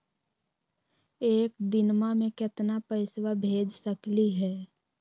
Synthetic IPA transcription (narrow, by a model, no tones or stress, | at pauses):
eːkd̪ɪnmamẽkɪt̪napəɪswabʱeːd͡ʒsəkliɦɛː